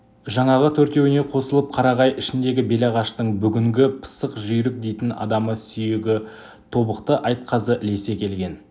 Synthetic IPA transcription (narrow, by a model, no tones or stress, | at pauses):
ʒɑɴɑʁət̪ʰɵɾt̪e̞wɪne̞qʰo̞səlˠəp̚qʰɑɾɑʁɑjʔɪʃɪnd̪e̞ɡʲɪbe̞lɑʁɑʃt̪əɴbʏɡʲɪŋɡʲɪpʰə̥səqʒʏjɾɪk̚d̪e̞jt̪ɪnɑ̰d̪ɑməsʏjeɡʲɪ | t̪ʰo̞bəqt̪əʔɑjt̪̚qʰɑzəʔle̞se̞kʲʰe̞lɡʲe̞n